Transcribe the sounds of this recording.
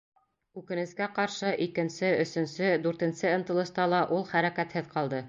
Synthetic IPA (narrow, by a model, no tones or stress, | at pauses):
ʉkɘ̆nɘ̆skæqɑɾʃɤʔikɘ̆nsɘɵ̆sɵ̆nsɘd̪ʉɾt̪ɘ̆nsɘɤ̆nt̪ɤ̆lˠɤ̆ʃt̪ɑlˠɑʔulˠχæɾækæt̪hɘðqɑlˠd̪ɤ